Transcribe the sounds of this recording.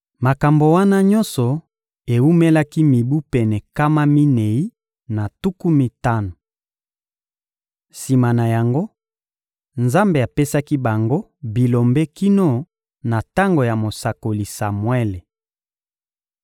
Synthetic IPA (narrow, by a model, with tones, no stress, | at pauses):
ma˨ka˨mbo˨wa˦na˦ɲɔ̃˦nsɔ˨ | e˨wu˦me˦la˦ki˦mi˨bu˦pɛ˨nɛ˨ka˦ma˦mi˦ne˨i˦ | na˨tu˦ku˦mi˨ta˦no˨ | si˨ma˨na˨ja˨ŋɡo˦ | nza˦mbe˨a˨pe˦sa˦ki˦ba˨ŋɡo˦ | bi˨lo˨mbe˦ki˦no˦ | na˨ta˦ŋɡo˨ja˨mo˨sa˨ko˨li˨sa˨mwɛ˦le˨